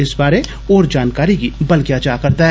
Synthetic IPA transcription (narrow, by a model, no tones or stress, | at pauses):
ɪsbaːɾe | ɔːɾd͡ʒaːnkaːɾikibɐlkjaːt͡ʃaːkɐɾt̪aɦɛ